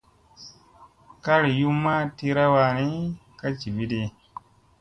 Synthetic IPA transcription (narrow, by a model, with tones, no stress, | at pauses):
ka˦ɾi˨ju˦mːa˦ti˦ɾa˦wa˨ni˦ka˦t͡ʃi˨bi˦de˨